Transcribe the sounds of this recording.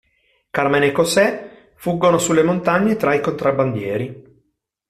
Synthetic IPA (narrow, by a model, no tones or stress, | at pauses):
karmenekosɛ | fuɡːonosulːemont̪aɲːet̪ɾaikont̪ɾaband̪jɛːɾi